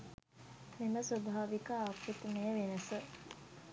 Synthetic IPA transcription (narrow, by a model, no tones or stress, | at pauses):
meməsʋɐbʱaːʋikaːkːut̪meəʋenəsə